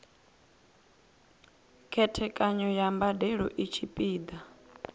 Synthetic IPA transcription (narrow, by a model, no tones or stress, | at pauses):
kʰɛtʰɛkʼaɲɔjambadɛɺɔ̰ʔit͡ʃʰipʼiːd̪a